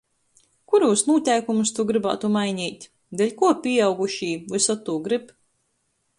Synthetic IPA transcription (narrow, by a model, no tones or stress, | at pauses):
kuɾuːsnuːt̪ʲɛjkumust̪uɡɾɨba̰ːt̪umajɲʲiːt̪ʲ | d̪elʲkuɔpʲiɛawɡuʃiːvɨsɔt̪ːuːɡɾip